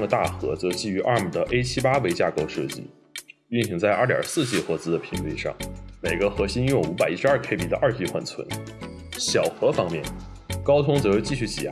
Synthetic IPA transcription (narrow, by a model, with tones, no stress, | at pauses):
ŋd̪ə˧˩t̪a˥˩xɤ̰˧˥t͡sɤ˧˥t͡ɕi˥˩y˧˥ʔa̰˞˥˩mu˨˩d̪ə˦ʔe˥ɪt͡ɕʰi˥pa˥we˧˥ɪt͡ɕja˥˩ko˥ʊʂɤ̰˥˩t͡ɕḭ˥˩ | y˥˩nɕi˧˥ŋt͡sa˥˧ɪʔɐ˞˥˩t̪jɑ̰˨˩sɹ̩˥˩t͡ɕi˥˩xɤ˧˥t͡sɹ̩˥d̪ə˨pʰi˧˥nli˥˧ʂɑ̰˥˩ŋme˨˩ɪɡə˧˦xɤ˧˥ɕi˥njʊ˥˩ŋu˧˥pa˨˩ɪi˥ʂɻ̩˧ɐ˞˥˩kʰe˥ɪpi˥˩d̪ə˦ʔɐ˞˥˧t͡ɕi˥˧xwa˥˩nt͡sʰwə̰˧˥n | ɕjɑ˨˩ʊxɤ˧˥fɑ˥ŋmjɛ˥˩n | kɑ˥ʊt̪ʰʊ˥ŋt͡sɤ˧˥jo˧ʊt͡ɕi˥˧ɕy˥˩t͡ɕḭ˨˩˥